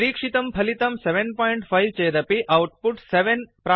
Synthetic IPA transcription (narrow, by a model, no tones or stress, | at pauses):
ɾiːkʂit̪ɐmpʰɐlit̪ɐmseʋenpɔːiɳʈfʰɐjʋt͡ʃeːd̪ɐpiʔɐwʈ̚puʈseʋenpɾa